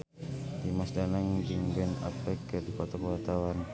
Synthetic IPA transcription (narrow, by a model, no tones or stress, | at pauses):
d̪imasdanaŋd͡ʒiŋbɛna̰pɛkədikɔt̪ɔkuwat̪awan